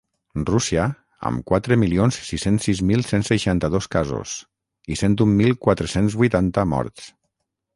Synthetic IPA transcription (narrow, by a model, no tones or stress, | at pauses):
rusia | ə̰mkwat̪ɾəmilionssisensːizmilˠsensəʃant̪əðoskazo̰s | isent̪umːilˠkwat̪ɾəsenzβujt̪ant̪əmɔ̰ɾt̪s